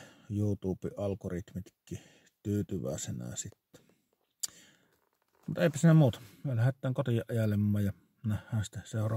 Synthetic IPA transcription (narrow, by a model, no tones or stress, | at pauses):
juːt̪uːpḭʔɑlkorit̪mit̪kːˑi | t̪yːt̪yʋæ̰ˑesenæ̰sit̪ːæ̥ | mut̪ʔeˑipæsiːnæmuːt̪ɑ̥myølæhet̪ːæːŋkot̪ijɑʔʔɑjɑlːemːɑːjjɑ | næhːˑæːnsi̥t̪ːæseˑorɑ